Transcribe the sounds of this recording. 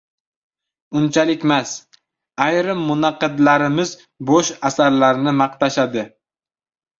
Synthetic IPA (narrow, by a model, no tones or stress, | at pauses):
ʊnt͡ʃʰalɪkʲmas | ajɾɪmːʊnɑqɨd̪laɾɪmɪz | boʃasaɾlaɾɪnɪmɑqt̪ʰaʃad̪ɪ